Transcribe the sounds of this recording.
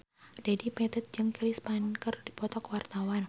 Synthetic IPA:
d̥adipɛt̪ət̪̚d͡ʒɨŋkɾispankərd̥i̤pɔt̪ɔkwart̪awan

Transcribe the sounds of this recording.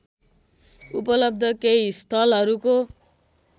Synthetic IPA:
upʌlʌb̚d̪ʱʌkeist̪ʰʌlɦʌɾuko

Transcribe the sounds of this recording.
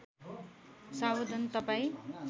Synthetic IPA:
sabod̪ʱʌnt̪ʌpaĩ

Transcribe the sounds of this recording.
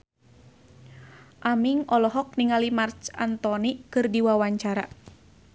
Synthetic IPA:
ʔamiŋɔlɔɦɔk̚niŋalimart͡ʃa̰nt̪ɔnikɨrdiwawaɲt͡ʃaɾa

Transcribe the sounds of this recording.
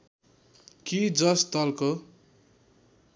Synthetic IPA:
kid͡zʌst̪ʌlko

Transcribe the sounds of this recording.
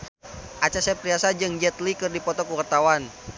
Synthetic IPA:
ʔat͡ʃasɛpɾiasad͡ʒɨŋd͡ʒɛt̪likɨrdipɔt̪ɔkukərt̪awan

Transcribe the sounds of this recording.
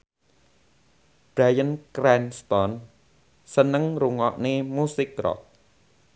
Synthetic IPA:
b̥ɾajənkɾɛnst̪ɔn | sənəŋɾuŋɔʔnemusɪk̚rɔ̰k̚

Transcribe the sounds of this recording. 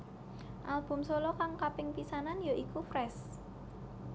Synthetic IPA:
ʔalb̥ʊ̤msolɔkaŋkapɪŋpisananjɔʔikufɾɛs

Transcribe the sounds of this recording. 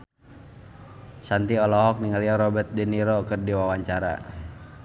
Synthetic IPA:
sant̪iɔlɔɦɔk̚niŋaliaɾɔbɛt̪̚diniɾɔkɨrdiwawaɲt͡ʃaɾa̰

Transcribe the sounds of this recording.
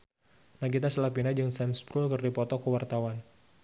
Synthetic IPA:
naɡit̪asəlapinad͡ʒɨŋsɛmspɾulkərdipɔt̪ɔkəwart̪awan

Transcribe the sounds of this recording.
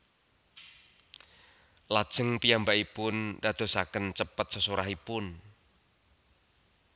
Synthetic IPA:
lad̥ʒ̥əŋpijambaʔipʊndad̪̥o̤sakənt͡ʃəpət̪̚səsuɾaɦipʊn

